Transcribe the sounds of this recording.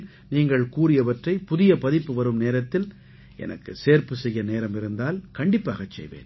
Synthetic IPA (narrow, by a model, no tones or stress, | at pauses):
niːŋɡɐɭkuːɾɪjɐʋɐʈrɐɪpʊðɪjɐpɐðɪpːɯʋɐɾɯmneːɾɐt̪ːɪl | ʔɛ̰nɐ̰kːɯseːɾpɯsɛjːɐneːɾɐmɪɾɯnd̪aːlkɐɳɖɪpːa̰ːɣɐt͡ʃːɛ̰jʋḛːn